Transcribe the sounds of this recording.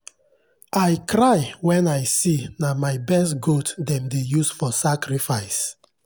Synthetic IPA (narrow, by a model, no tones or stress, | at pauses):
ajkɾajwɛ̃naɪsinamaɪbɛstɡotdɛ̃mdejusfɔsakɹifaɪs